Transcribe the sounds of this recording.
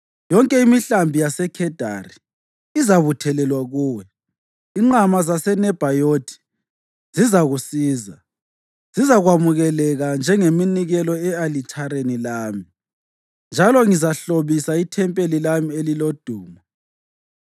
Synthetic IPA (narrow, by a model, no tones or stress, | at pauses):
jɔŋkʼɛimiɬambʱijasɛkʰɛd̥ʱa̰ri | izaβutʰɛlɛlwaɣuːwɛ | iŋ͡ǃamazasɛnɛb̥ʱajotʰi̥ | zizaɣusiːza | z̥izaɣwamuɣɛlɛɣand͡ʒʱɛŋeminiɣɛlɔɛalit͡ʃʼʰaɾenilaːmi | nd͡ʒʱalɔŋizaɬoβisaitʰɛmpʼelilamielilod̥ʱuːmɔ